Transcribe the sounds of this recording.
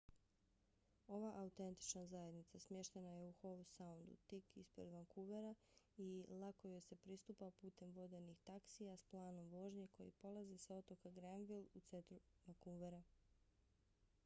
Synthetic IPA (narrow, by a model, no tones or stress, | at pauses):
o̞ʋaʔaut̪e̞nt̪i̥t͡ʃnazaje̞d̪nit̪sasmje̞ʃt̪enajeuxo̞ʋsaund̪ṵt̪ikḭspɾḛd̪ʋaŋkuʋeɾa | ilˠakojose̞pɾist̪upapuːt̪e̞mʋo̞d̪e̞nixt̪aksijasplˠaːno̞mʋo̞ːʒɲe̞ko̞jḭpo̞lˠazisao̞t̪o̞kaɡɾanʋilˠut̪se̞nt̪ɾuʋaŋkuʋeɾa